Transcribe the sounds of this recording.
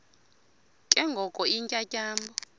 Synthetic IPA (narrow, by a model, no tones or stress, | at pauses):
kʼɛŋɡʱɔkʼɔiŋcʼacʼaːmbɔ